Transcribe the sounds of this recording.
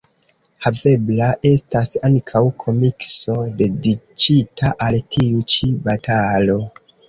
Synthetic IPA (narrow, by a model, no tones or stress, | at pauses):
have̞blaʔe̞stasaŋkʰawkʰo̞mikso̞de̞dit͡ʃitʰaʔaltʰiut͡ʃibatalo̞